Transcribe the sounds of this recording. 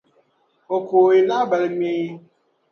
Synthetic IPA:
o˨kʰo˨e˨na˦bɛ˨lmẽː˦

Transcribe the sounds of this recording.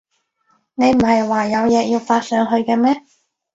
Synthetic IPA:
ne˨˧jm̩˨˩hɐ˨jwaː˨jɐ˨˧wjɛː˨˧jiː˧wfaː˧t̚sœː˨˧ŋɦɵ˧ɥkɛː˧mɛː˥

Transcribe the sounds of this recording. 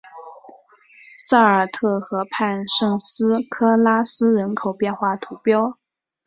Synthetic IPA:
sa˥˩ə˞˨˩t̪ʰɤ˥˩xɤ˧˥pʰa˥˧nʂɤ˥˩ŋsɹ̩˥kʰɤ˥la˥sɹ̩˥ɻə˧˥nkʰo˨˩ʊpjɛ˥˧nxwa˥˩t̪ʰu˧˥pjɑ˥ʊ

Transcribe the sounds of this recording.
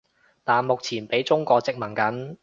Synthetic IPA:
t̪aː˨nmʊ˨k̚t͡sʰiː˨˩npe˨˥jt͡sʊ˥ŋkʷɔː˧t͡sɪ˥k̚mɐ˨˩nkɐ˨˥n

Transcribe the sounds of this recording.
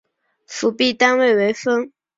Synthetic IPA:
fu˧˥pi˥˩t̪a˥nwe˥˩ɪwe˧˥ɪfə˥ŋ

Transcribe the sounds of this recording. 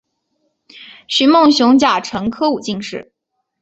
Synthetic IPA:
ɕy˧˥mɤ˥˩ŋɕjʊ˧˥ŋt͡ɕja˨˩ʈ͡ʂʰɤ˧˥ŋkʰɤ˥u˨˩t͡ɕi˥˧ŋʂɻ̩˥˩

